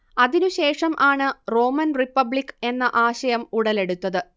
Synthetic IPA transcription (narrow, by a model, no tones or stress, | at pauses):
ɐðinuɕe̞ːʂɐmʔaːɳɨro̞ːmɐnripːɐbɭikːe̞nːɐʔaːɕɐjɐmuɽɐle̞ɽut̪ːɐðɨ